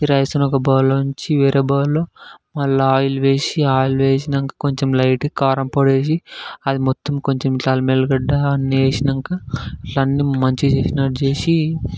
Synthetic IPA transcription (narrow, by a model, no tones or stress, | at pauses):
iɾɐjsɐnokɐbaːloːuɲt͡ʃiʋeːɾeːbaːloːmɐlːɐaːjuluʋe̞ːsiaːjuluʋeːʃ̬inɐŋkḁkoɲt͡ʃemlɐjʈkaːɾɐmpoɽeːs̬iɐd̪imɔt̪ːɐmkoɲt͡ʃemʈaːlmelɡɐɖːaːnːieːsinɐŋkaːʈlɐnːimɐɲt͡ʃit͡ʃeːsinɐʈd͡ʒeːsi